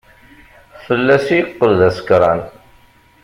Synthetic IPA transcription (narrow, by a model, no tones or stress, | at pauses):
fəlːæsijəqːəlðæsə̥kɾˤɑn